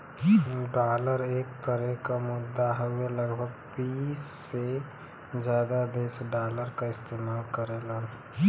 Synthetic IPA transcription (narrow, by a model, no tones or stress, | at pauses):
ɖaːləɾeːk̚t̪əɾẽkamʊd̪ːaɦəweləɡbʱəɡ̚biːsse | d͡ʒjaːd̪ad̪eːsɖaːləɾkaɪst̪eːmaːlkəɾelən